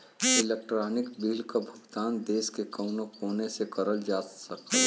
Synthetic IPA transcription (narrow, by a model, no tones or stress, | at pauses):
ɪlek̚ʈɾaːnɪkbiːlkabʱʊɡt̪aːnd̪eːskekɐʊnõkoːnesekɐɾəld͡ʒaːsɐke